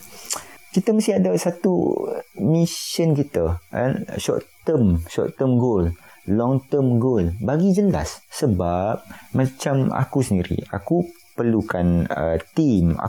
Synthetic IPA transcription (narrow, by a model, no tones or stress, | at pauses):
kit̪əmast̪iɦadasat̪ṵ | misənkit̪əa̰nʃɔ̰ʔt̪əmʃɔ̰ʔt̪əmɡol | lɔŋt̪əmɡolbaɡid͡ʒəla̰sːəbap̚mãt͡ʃama̰kusəndiɾḭa̰ku | pərlukanət̪ima̰